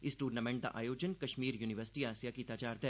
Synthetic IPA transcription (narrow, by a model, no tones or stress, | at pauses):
ɪsʈuːɖnamẽɳʈ̚d̪a̰ʔaːjoːd͡ʒənkɐʃmiːɾjuːnɪʋəɾsʈiaːsijakit̪aːt͡ʃaːɾd̪ɛː